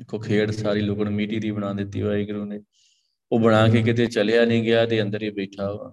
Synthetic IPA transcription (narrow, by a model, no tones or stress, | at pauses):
dɪkʰːoːkʰeːɽsaːɾiːlʊkəɳmiːʈiːd̪iːbəɽ̃ãːd̪ɪt̪ːḭːɦaːiːɡɾuːneː | oːbəɽ̃aːkeːk̬ɪt̪eːt͡ʃəlejaːnĩːɡɪjaːt̪eːə̃nd̪əɾiːbeːʈʰaːa̰ː